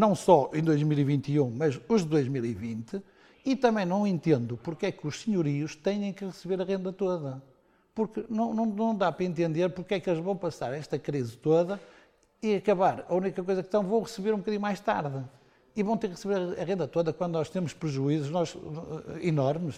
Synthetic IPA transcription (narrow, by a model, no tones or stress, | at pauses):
nɐ̃w̃sɔẽd̪ojʒmilˠivĩnt̪iũmɐzuʒðɨðojʒmilˠivĩnt̪ɨ | it̪ɐ̃mɐ̃j̃nɐ̃w̃ẽnt̪ẽnd̪upuɾkɛkuʃsɨɲuɾiuʃt̪eɲẽj̃kɨʁɨsɨβeɾɐʁẽnd̪ɐt̪oðɐ | puɾkɨnɐ̃w̃nɐ̃w̃nɐ̃w̃d̪apɾɐẽnt̪ẽnd̪eɾpuɾkɛkelˠʒvɐ̃w̃pɐsaɾɛʃt̪ɐkɾizɨt̪oðɐ | iɐkɐβaɾɐunikɐkojzɐkt̪ɐ̃w̃vɐ̃w̃ʁɨsɨβeɾũbukɐðiɲumajʃt̪aɾðɨ | ivɐ̃w̃t̪eɾkʁɨsɨβeɾɐɐʁẽnd̪ɐt̪oðɐkwɐ̃nd̪unɔʃt̪emʊʃpɾɨʒuizuʒnɔz | inɔɾmɨʃ